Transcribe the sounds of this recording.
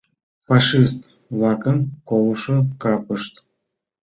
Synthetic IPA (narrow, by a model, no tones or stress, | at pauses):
faʃist̪ | vlˠɑkəmkolʃokɑpəʃt̪